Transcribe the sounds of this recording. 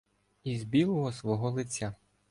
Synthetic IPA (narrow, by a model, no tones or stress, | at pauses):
izbʲilˠɔɦɔsʋɔɦɔlˠɪt͡sʲːa